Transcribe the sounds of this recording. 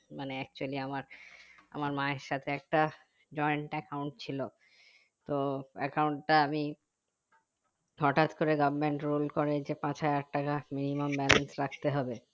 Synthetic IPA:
maneɛk̚t͡ɕualiamaɾa̰maɾmaeɾʃat̪ʰeɛk̚ʈa | d͡ʑɔeɳʈɛkawɳʈt͡ɕʰilo | t̪oɛ̰kawuɳʈʈaami | ɦɔʈat̪koɾeɡabmeɳʈɾulkoɾed͡ʑepãt͡ɕɦajɛk̚ʈakaminimambɛlensɾak̚ʰt̪eɦɔbe

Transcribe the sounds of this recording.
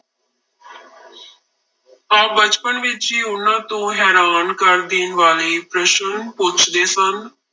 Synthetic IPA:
aːbət͡ʃpənʋɪt͡ʃiːʊnːãːt̪õːɦɛːɾaːnkəɾd̪iːnʋaːliːpɾəʃənpʊt͡ʃʰd̪eːsən

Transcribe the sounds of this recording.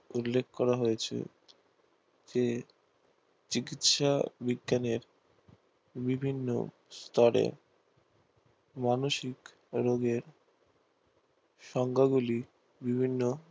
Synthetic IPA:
ulːek̚ʰkɔɾaɦojet͡ɕʰḛ | d͡ʑe | t͡ɕikit̪ʃabiɡːaneɾ | bibʱinːo̰ | st̪ɔɽḛ | manoʃik | ɾoɡeɾ | ʃɔŋɡʱaɡuli | bibʱinːo

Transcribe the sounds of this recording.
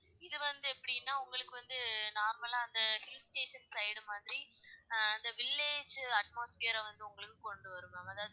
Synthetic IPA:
ɪðɯʋɐnd̪ɯɛpːɐɽɪnːaːʊŋɡɐɭɯkːɯʋɐnd̪ɯnaːɾmɐlaːɐnd̪ɐhɪlsʈeːʂɐnsɐɪɽɯmaːðɪɾiɐnd̪ɐʋɪlːeːd͡ʒɐʈ̚moːsfeɐɾɐʋɐnd̪ɯʊŋɡɐɭɯkːɯkɔɳɖɯʋɐɾɯmɐmɐðaːʋð

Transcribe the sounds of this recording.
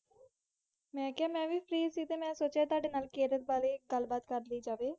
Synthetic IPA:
mɛ̃ːkɪaːmɛ̃ːʋiːpʰɾiːsiːt̪eːmɛ̃ːsoːt͡ʃaːt̪ʊwaːɖeːnaːlkeːɾət̪̚baːleːɡəlbaːt̪kəɾliːd͡ʒaːʋeː

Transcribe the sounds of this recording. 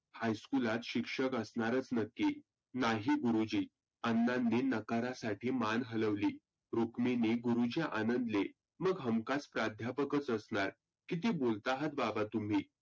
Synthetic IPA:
hajskulat̪ɕikʂəkəsnaɾət͡snəkːiː | naɦiːɡuɾud͡ʑiː | ənːanːinəkaɾasaʈʰiːmanɦələʋliː | ɾukminiːɡuɾud͡ʑaʔanənd̪le | məɡɦəmkat͡spɾad̪ʱjapəkət͡səsɳaɾ | kit̪̬iːbolt̪aɦət̪̚babat̪um̤iː

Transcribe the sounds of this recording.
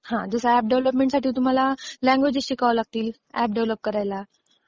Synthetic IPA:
hãd͡zəsəæp̚ɖeʋləpmẽɳʈsaʈʰiːt̪̬um̤alalæ̃ŋɡʋed͡ʑəɕiːkaʋlaɡ̚t̪iːl | æp̚ɖeʋləp̚kəɾajla

